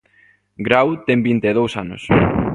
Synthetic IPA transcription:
ɡɾawt̪ɛmbint̪eð̞owsanʊ̰s

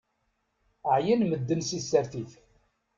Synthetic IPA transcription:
ʕjənməd̪ːənsisːæɾθiθ

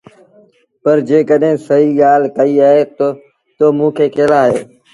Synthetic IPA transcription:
pɐɾd͡ʑeːkəɗɦɪ̃sɐɦiːɠaːlkɐiaːɦet̪o | t̪oːmũːkʰeːkeːlaːɦeː

